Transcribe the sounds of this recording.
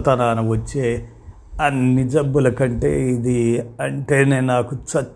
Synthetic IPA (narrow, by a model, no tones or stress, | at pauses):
t̪ɐnaːnɐʋɐt͡ʃːeː | ɐnːid͡ʒɐbːulɐkɐɳʈe̞̰ːid̪iɐɳʈe̞ːne̞ːnaːkut͡ʃɐ